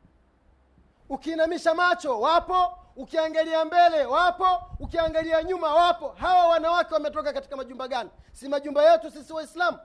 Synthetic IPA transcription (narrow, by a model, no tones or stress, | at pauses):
ukiːnamiʃamat͡ʃɔwapɔukiaŋɡaliambɛlɛwapɔukiaŋɡaliaɲumawapɔɦawawanawakɛwamɛtɔkakati̥kamaʄumbaɡani | simaʄumbajɛtusisiwaislamu